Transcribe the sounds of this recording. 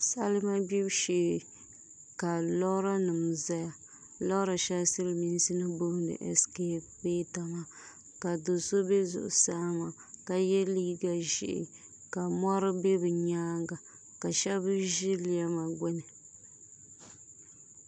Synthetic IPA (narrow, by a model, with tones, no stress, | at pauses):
sa˦lɨ˦ma˦bi˦bʃe˨˦˨ | ka˨lɔ˦ɾa˦nɨ˨m˨za˦ja˨ | lɔ˦ɾa˨ʃɛ˦lsɨ˦lmi˦n˦si˦nɨ˦bo˦ŋdɨ̰˨ʔɛ˨ske˦pe˦ta˨ma˨ | ka˨do˨so˦be˦zʊ̰˨ʔʊ̰˨saː˦ma˨ | ka˨jɛ˦li˦ɡa˨ʒɪ̰˨ʔɪ̰˨ | ka˨ma˦ɾɨ˦be˦bɨ˨ɲaː˦ŋɡa˨ | ka˨ʃɛ˦bɨ˦ʒi˦li˦˨a˦ma˨ɡʊ˦nɨ˨